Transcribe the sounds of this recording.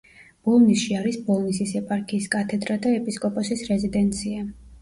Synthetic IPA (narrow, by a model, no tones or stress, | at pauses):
b̥ɔlˠnisʃiaɾisbɔlˠnisisɛpʼaɾkʰiːskʼat̪ʰɛd̪ɾad̪aɛpʼiskʼɔpʼɔsisɾɛzid̪ɛnt̪sʰia